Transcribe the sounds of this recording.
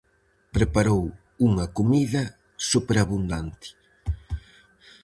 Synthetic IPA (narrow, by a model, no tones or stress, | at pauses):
pɾepaɾow | uŋɐkumiðɐ | supeɾaβund̪ant̪ɪ̥